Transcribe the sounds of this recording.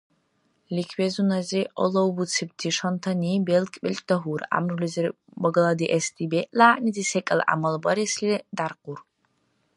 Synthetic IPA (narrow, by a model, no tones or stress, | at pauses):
likʰwezunɐziʔo̰lowbut͡sʰɨb̚tʰiʂɐntʰɐnibelkʼpʲʼɪɬʼdɐɦʷura̰mrulʲzɪr | bɐɡɐlˠɐdiʔestʰʼibeʔʼlaːnidisekʼɐl̰ʔa̰mɐlbɐɾislidarqur